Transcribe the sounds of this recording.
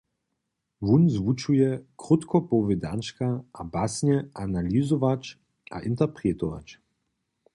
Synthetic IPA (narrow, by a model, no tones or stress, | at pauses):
vunzʋut͡ʃujɛkɾut̪kɔpɔvɛd̪ant͡ʃkaabasɲɛʔanalizɔvat͡ʃ | ʔa̰ʔint̪ɛprɛt̪ɔva̰t͡ʃ